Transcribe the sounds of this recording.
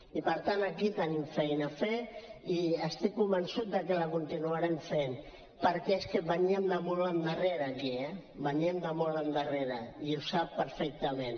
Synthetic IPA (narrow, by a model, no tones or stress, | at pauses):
ipəɾt̪anəkit̪ənimfɛjnafeiəst̪ikːumbənsut̪̚d̪əkələkunt̪inuaɾemfen | pəɾkɛeskəβəɲiəmd̪əmɔlənd̪əreɾəːkiɛbəɲiemd̪əmɔlənd̪əreɾəiusapːəɾfɛk̚t̪əmẽn